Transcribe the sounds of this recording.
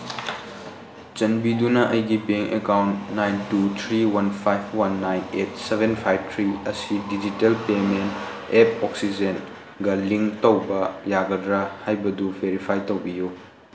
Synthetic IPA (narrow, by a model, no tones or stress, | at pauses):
t͡ʃɐnbidunɐʔɐjɡibeŋʔekawntːajntut̪ʰɾiwɐnpʰajbwɐnːajnet̚sevenpʰajb̚t̪ʰɾiɐsidid͡ʒitelpement | ep̚ɔksid͡ʒen | ɡɐliŋtowbɐjaɡɐdɾɐhajbɐduvʱeɾipʰajtowbiju